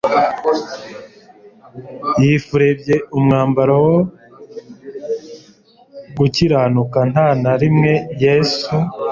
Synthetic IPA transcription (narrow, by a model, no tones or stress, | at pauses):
jiːfuɾe̞bɟe̞umŋaːmbaɾawo | ɡuciɾaːnukan̥hanaɾimŋe̞jeːsu